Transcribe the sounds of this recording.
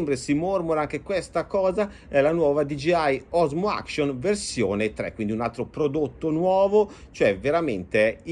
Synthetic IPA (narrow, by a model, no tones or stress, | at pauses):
mbɾesimormoɾaaŋk̟ekwest̪akɔːza | ɛlanwɔːvad̪id͡ʒiajɔzmoa̰kʃonversjoːnet̪ɾɛ̰kːwind̪iunalt̪ɾopɾod̪ot̪ːonwɔːvot͡ʃoɛveɾament̪e